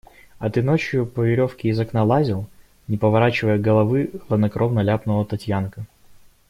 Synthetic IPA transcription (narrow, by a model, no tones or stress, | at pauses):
ɐt̪ɨno̞t͡ɕjʊpəvʲɪɾʲo̞fkʲɪːzɐknalˠazʲɪlˠ | nʲɪpəvɐɾat͡ɕɪvəjəɡəlˠɐvɨvˠəd̪nɐkɾʔovnɐlʲapnəvət̪ɐtʲjankə